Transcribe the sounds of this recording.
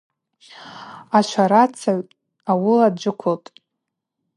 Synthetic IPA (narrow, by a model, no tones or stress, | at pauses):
at͡ʃʷʰaɾat͡sʰaʕʷ | awɪladd͡ʒʷɪkʷʰoltʼ